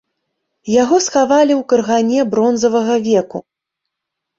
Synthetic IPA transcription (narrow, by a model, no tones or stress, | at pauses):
jaɣɔsxavalʲiwkɐrɣanʲɛbɾɔnzɐvɐɣɐvʲɛku